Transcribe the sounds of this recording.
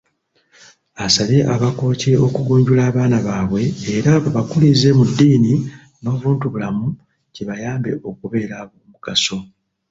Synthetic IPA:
asaleʔaβako̞ːceo̞kuɡuːɲɟulaːβaːnaβaːβwe̞ːɾaβaβakulize̞mudːini | no̞ːβuːntuβulamu | ceβajaːmbe̞̰ʔo̞kuβe̞ːɾaβoːmuɡ̥aso̞

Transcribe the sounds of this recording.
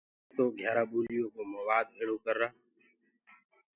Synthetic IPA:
t̪oːɡʱjaːɾaːɓuːlɪjoːkoːmoːʋaːd̪̚eːɽoːkəɾːaː

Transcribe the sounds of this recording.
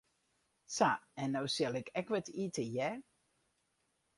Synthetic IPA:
saɛnːowsɪlˠɪkɛkʋɛtitəjɛ

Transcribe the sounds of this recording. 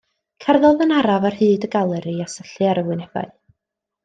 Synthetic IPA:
kʰɛrðɔðənaɾavarhɨːdəɡalˠɛɾiasəɬɨaɾəwɨnɛv̥a̰ɨ

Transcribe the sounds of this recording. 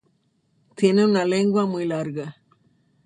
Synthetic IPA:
t̪jeneunaleŋɡwamujlaɾɡa

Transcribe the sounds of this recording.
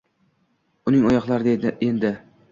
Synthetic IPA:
ʊnɪŋɒjɒqlˠaɾɪd̪ed̪ɪend̪ɪ

